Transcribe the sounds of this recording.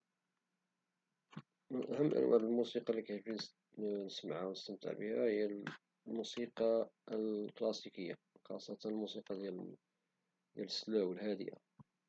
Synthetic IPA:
mənʔæhəmːʔə̰nwæ̰lmusiqɑlːikæt̪fin | nəsməʕawnəst̪əmt̪ə̰ʕbəhæhəjːæl | musiqɑlklɑsikəjːa̰ | xɑ̰sˤːɑt̪ɑnəlmusiqɑd̪jæl | d̪jælslæwəlhæd̪ə̰ja̰

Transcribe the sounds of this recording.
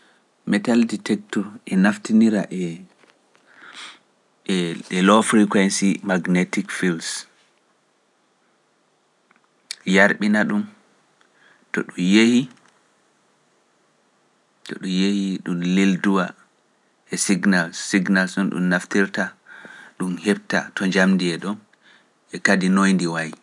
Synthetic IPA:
mɛtalditɛk̚tɔɾʔɛnaftiniɾaʔɛ | ɛlɔfɾikwɛnsimaɡnetikfils | jaɾɓinaɗum | tɔɗumjehi | tɔɗunjehiɗumlilduwa | ʔɛsiɡnalsiɡnalsɔnɗṵmnaftiɾtaɗumhɛb̚ta̰tɔɲd͡ʒamdiɛɗɔn | ɛkadinojndiwaj

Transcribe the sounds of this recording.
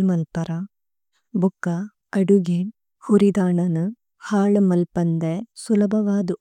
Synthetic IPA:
mɐlpɐɾɐ | bukːa | ɐɖuɡeːn | huɾid̪aːɳɐnu | haːɭmɐlpɐnd̪esulɐbʱɐʋaːd̪u

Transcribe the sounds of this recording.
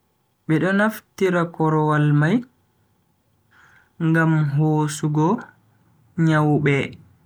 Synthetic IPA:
ɓɛɗɔnaftiɾakɔɾɔwalmaj | ŋɡamɦoːsuɡɔ | ɲawɓɛ

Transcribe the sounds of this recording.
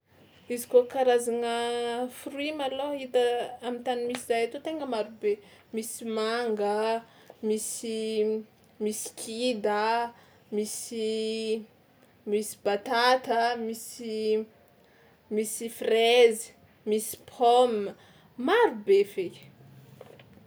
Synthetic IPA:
izikokaɾazaŋəfruimaloit̪əamit̪animisizajat̪ot̪eŋɡəmaɾube | misimaŋɡə | misi | misi̥kʰid̪ə | misi | misi̥b̥at̪at̪əmisi | misifrezi̥ | misi̥pʰɔmə | maɾubeve̥

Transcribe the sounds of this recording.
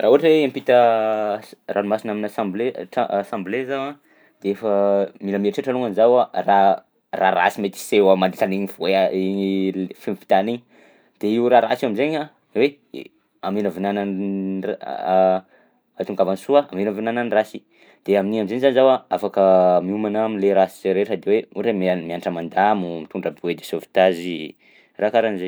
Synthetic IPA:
raɦuaʈ͡ʂəweeampit̪ə | rʔalumasinaminasãmbleʈ͡ʂasãmblezawa | d̪̥eefəmiləmieʈ͡ʂeʈ͡ʂaluŋanizawara | raɾa̰simet̪i̥sewamand̪it̪aniɲivoea | fimfi̥t̪aniɲi | d̪̥eiwɾaɾasiaminzeɲa | we | aminəvinanan | at̪uŋɡavansuaaminəvinananirasi | d̪̥eaminiamimzenzanizawaafakəmiumanaminleɾasi̥zɾeʈ͡ʂad̪eweuɾemmianʈ͡ʂəmand̪amumit̪uɳɖ͡ʐəbued̪esovi̥t̪azi | rakaɾanze

